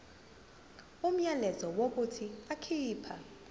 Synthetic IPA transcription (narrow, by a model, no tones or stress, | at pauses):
um̩ɲalɛzɔwok̬utʰiakʰiːpʰa